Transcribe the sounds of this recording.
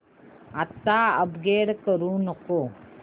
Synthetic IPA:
ɐt̪ːaːɐbɡeːɽkəɾuːnɐko

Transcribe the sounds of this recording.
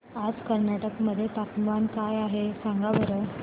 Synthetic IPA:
ad͡zkəɾnaʈəkməd̪ʱːjet̪ak̪mankajaɦesãŋɡaʋəɾə

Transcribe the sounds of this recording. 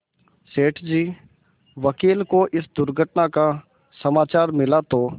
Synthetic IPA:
seːʈʰd͡ʒiː | ʋəkiːlkoʔɪsd̪ʊɾɡʱəʈnaka | səmaːt͡ʃaːɾmɪlat̪oː

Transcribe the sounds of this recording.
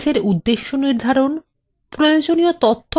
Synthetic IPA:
ʃeɾud̪ːeʃːoniɾd̪ʱaɾon | pɾojod͡ʑoniot̪ot̪ʰːo

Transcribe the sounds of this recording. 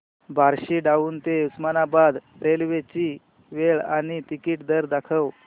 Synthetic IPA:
bʱaɾɕiːɖaʋuːnt̪eusmanabad̪ | ɾelʋet͡ɕiː | ʋeɭaɽ̃it̪ikiːʈd̪əɾd̪akʰəʋ

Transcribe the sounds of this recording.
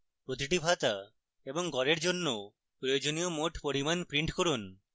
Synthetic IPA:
pɾot̪̬iʈibʱat̪a | eboŋɡɔɾeɾd͡ʑonːo | pɾojod͡ʑoniomoʈpoɾimanpɾiɳʈkoɾun

